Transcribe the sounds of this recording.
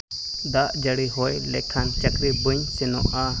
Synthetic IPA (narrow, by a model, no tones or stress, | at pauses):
d̪aʔd͡ʒəɽiɦojlɛ̰kʰant͡ʃəkɾibəɲsɛnɔʔa